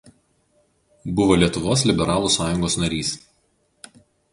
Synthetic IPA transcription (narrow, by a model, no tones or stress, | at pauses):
bʊʋoːlʲiɛt̪ʊʋoːs̬lʲɪbʲɛɾɑːlˠuːˑsɑːjʊŋɡoːsnɐɾʲiːs